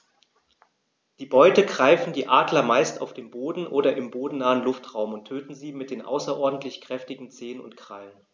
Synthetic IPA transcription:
d̥iːbɔʏtəɡʁaɪfn̩diːʔaːdlɐmaɪsta̰ʊfd̥eːmboːdn̩ʔoːɾɐʔɪmboːdn̩naːənlʊftʁ̥aʊmʊntʰːøːtn̩ziːmɪt̚d̥eːnʔa̰ʊsɐʔɔɐdn̩tʰlɪçkʁ̥ɛftɪɡŋ̩t͡seːənʊ̰ntkʁ̥a̰lən

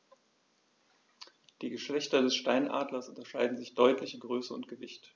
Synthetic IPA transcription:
d̥iːɡəʃlɛçtɐdɛsʃtaɪnʔa̰ːdlɐsʔʊntɐʃaɪdn̩zɪçd̥ɔʏtʰlɪçɪmɡʁøːsəʊ̰nt̚ɡ̥əvɪçt

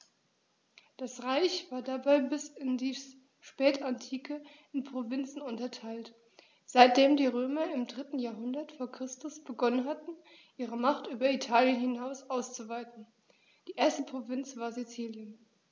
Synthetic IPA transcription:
d̥asʁaɪçv̥aːɐdabaɪbɪsɪndiː | ʃpɛːtantʰiːkʰə | ɪnpʁ̥ovɪnt͡sn̩ʊntɐtʰaɪlt | z̥aɪt̚d̥eːmdiːʁøːmɐɪmdʁɪtn̩jaːɐɦʊndɐtfoːɐkʁ̥ɪstʊsb̥əɡɔnənɦatn̩ | ʔiːʁəmaχtʔyːbɐitʰaːljənhɪnaʊsʔaʊst͡suvaɪtn̩ | d̥iːʔeːɐstəpʁ̥ovɪnt͡sv̥aːɐzit͡siːljən

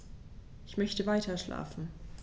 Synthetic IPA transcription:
ʔɪçmœçtəvaɪtʰɐʃla̰ːfn̩

